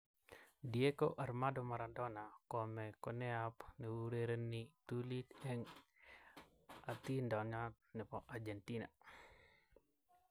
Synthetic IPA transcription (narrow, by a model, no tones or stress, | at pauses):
diekoʔarmadɔmaɾandɔnakɔmɛkɔnɛapnɛwuɾeɾenit̪ulitɛŋ | at̪indɔɲɔt̪̚ | nɛpɔʔard͡ʒentina̰